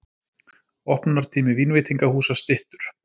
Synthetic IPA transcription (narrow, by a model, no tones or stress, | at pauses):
ɔhpnaɾ̥t̪ʰiːmɪviːnvɪːt̪iŋkahuːsast̪ɪht̪ʏɾ̥